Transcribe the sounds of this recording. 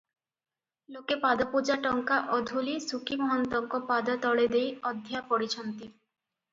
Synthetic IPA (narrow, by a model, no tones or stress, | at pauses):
lokepad̪ɔpud͡ʒaʈɔŋkaʔɔd̪ʱulisukimɔɦɔnt̪ɔŋkɔpad̪ɔt̪ɔɭed̪ejɔd̪ʱjapɔɽit͡ɕʰɔnt̪i